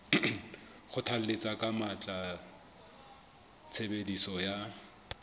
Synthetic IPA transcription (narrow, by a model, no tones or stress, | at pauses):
χʊtʰal̩let͡sʼakʼamat͡ɬʼa | t͡sʰebedisɔja